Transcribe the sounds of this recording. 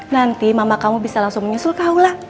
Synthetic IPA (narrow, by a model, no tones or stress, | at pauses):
nant̪imamakamubisalaŋsʊŋməɲusʊlkaulah